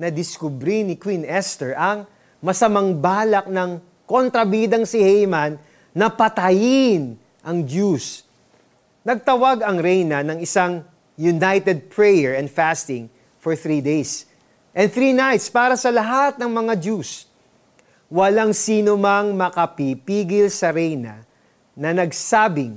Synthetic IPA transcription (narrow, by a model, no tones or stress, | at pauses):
nɐd̪ɪskʊbɾinɪkwinʔɛst̪ɛɹʔɐŋ | mɐsɐmɐŋbaːlɐk̚nɐŋ | kont̪ɾɐbiːd̪ɐŋsɪhɛjmɐnː | ɐpɐt̪ɐjɪn | ʔɐŋdus | nɐɡ̚t̪ɐwaɡɐŋɾɛjnɐnɐŋɪsaŋ | jʊnajt̪ɛd̪̚pɹɛjɛɹɛnfæst̪ɪ̃ŋ | fɔɹθɾid̪ejs | ʔɛ̃nθɾinajt̪spaːɾɐsɐlɐɦat̪̚nɐŋmɐŋad̪us | wɐlaŋsiːnomɐŋmɐkɐpipiːɡɪlsɐɾɛjnɐ̰ | nɐnɐɡsaːbɪŋ